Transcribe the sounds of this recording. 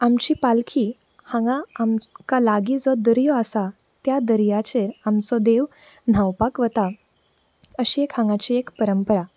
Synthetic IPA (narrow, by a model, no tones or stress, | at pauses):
amt͡ɕiːpalkʰi | hãŋɡãːmkalaɡid͡zɔd̪əɾjɔasa | t̪jad̪əɾjat͡ɕeɾamt͡sɔd̪eʋ | n̤awpakʋət̪a | əɕiekhãŋɡat͡ɕiːekpəɾəmpəɾa